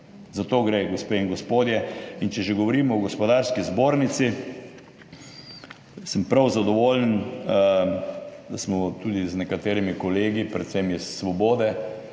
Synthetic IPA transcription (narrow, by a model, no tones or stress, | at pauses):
zat̪oːɡɾeɡɔspeːiŋɡɔspoːd̪jɛint͡ʃɛʒeɡɔʋɔɾiːmɔɔɡɔspɔd̪aɾskizboːɾnit̪si | səmpɾawzad̪ɔʋoːlən | d̪asmɔt̪ud̪iznɛkat̪eːɾimikɔleːɡipɾɛt̪sɛmjɛssʋɔboːd̪ɛ